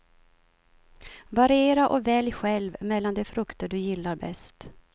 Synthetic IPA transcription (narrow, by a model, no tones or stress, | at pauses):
vaɾɪeːɾaʔɔvɛljɧɛlvmɛlːand̪ɛfɾɵkt̪əɖɵjɪlːaɾbɛ̰st̪